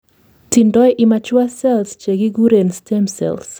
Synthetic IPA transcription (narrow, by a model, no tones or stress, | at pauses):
tindɔjʔɪmat͡ʃwasɛlst͡ʃeɡiɡuɾenstemsɛ̰ls